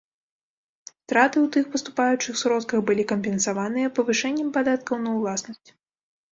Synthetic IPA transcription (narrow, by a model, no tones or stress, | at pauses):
st̪ɾat̪ɨwt̪ɨxpɐst̪upajut͡ʂɨxsɾɔt̪kɐxbɨlʲikɐmpʲɛnsavan̪ɨjɐpɐvɨʂɛnʲːɐmpad̪at̪kɐwnɐwlˠasnɐsʲt͡sʲ